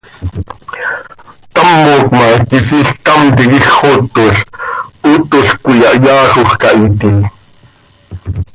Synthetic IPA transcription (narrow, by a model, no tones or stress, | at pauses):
t̪amːokmɑkis̬iɬk̚t̪amt̪ikixot̪ːoɬut̪oɬkʷijɑʔjɑːxoxkɑʔit̪i